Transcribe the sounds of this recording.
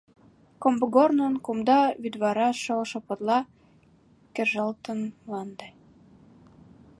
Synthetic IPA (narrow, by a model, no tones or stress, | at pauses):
kombəɡornənkumd̪ɑβyd̪βɑɾɑʃoʃŏpə̆t̪lɑ | kĕʒəlt̪ənlɑnd̪e